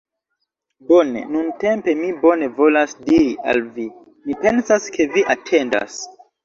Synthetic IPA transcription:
bo̞ne̞̰nunte̞mpe̞mibo̞ne̞vo̞lasdiɾiʔa̰lvi | mipe̞nsaskʰe̞viʔatʰe̞nda̰s

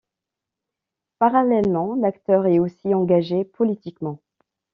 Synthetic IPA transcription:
paʁalɛlmɑ̃lakt̪œʁɛosiɑ̃ɡaʒepɔlit̪ikmɑ̃

